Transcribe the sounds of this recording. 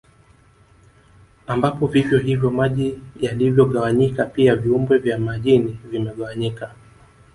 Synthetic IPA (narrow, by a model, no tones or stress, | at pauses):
ambapɔvivjɔɦivjɔmaʄijalivjɔɠawaɲikapiaviumbwɛvjamaʄinivimɛɠawaɲika